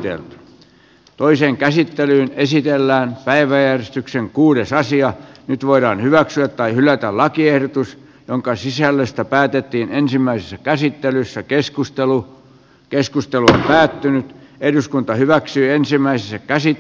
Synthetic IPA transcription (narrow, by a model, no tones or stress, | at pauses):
t̪ḛlt̪y̥ | t̪oiseːŋkæsit̪ːelyːnesit̪elːæːnpæiʋæjærest̪ykseŋkuːɾesɑsiɑnyt̪ʋoiɾɑːnhyʋæksyæt̪t̪ɑihylˑæt̪ælɑkiehdot̪us | joŋkɑsisælːøst̪æpæːt̪et̪ːiːnensimːæisesːækæsit̪ːelysːækeskust̪elu | keskust̪eluompæːt̪ːynyt̪eduskunt̪ɑhyʋæksyːensimːˑæisesːækæsi